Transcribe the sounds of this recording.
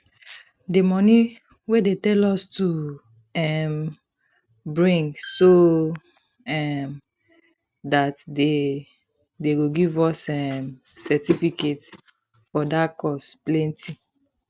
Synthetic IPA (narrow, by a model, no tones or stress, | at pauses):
demɔni | wedetɛlɔstu | ɛm | bɹĩŋso | ɛm | datde | deɡoɡivɔsɛm | sɛtifiket | fɔdakɔsplɛ̃ntʰi